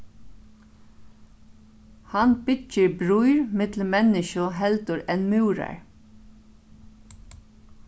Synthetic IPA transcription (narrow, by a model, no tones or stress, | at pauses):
hanbɪcːɪɹbɾujɹmɪt̪l̩mɛnɪʃʊɦɛlt̪ʊɹɛnmʉːɾa̰ɹ